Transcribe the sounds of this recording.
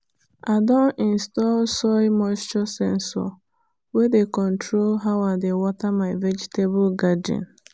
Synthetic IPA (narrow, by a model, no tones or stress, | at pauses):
adɔ̃nĩnstɔlsɔimɔstɔsɛ̰̃nsɔ̰ | wedekɔ̃ntʰɾolɦawadewɔtamaɪvɛd͡ʒitebʊlɡadiɔ̰̃n